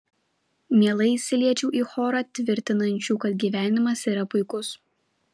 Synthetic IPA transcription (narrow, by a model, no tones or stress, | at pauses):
mʲiɛlˠɐɪɪsʲɪlʲiɛt͡ʃʲuːʔiːxoːɾɑt̪ʲʋʲɪɾʲt̪ʲɪnɐnʲt͡ʃʲuːkɐt̪̚ɡʲiːʋʲæːnʲɪmɐsiːɾɐpʊɪkʊs